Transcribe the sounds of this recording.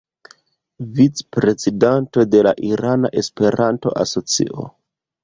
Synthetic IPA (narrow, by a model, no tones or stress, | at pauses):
vit͡spɾe̞zidanto̞de̞laʔiɾana̰ʔe̞spe̞ɾanto̞̰ʔa̰so̞t͡sḭʔo̞̰